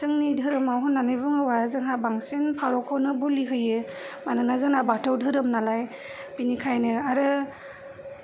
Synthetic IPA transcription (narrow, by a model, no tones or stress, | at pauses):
zɯŋnidʱɯɾɯmawɦɯnːanɯjbuŋɯwazɯŋabaŋsinpʰaɾɔkʰɔwnɯbuliɦɯjɯmanɯnazɯŋabatʰɯwdʱɯɾɯmnalaj | binikʰajnɯaɾɯ